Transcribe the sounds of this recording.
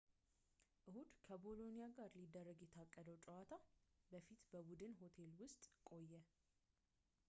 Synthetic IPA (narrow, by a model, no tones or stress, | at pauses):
ʔɨhud̪kʰəbo̞lo̞nijaɡaɾlid̪ːərːəɡjɛt̪ʰakʼːəd̪əwt͡ʃʼɛwat̪ʰabəfit̪bəbud̪ɨnɦo̞t̪ʰe̞lwʊst̪ʼkʼo̞jːɛ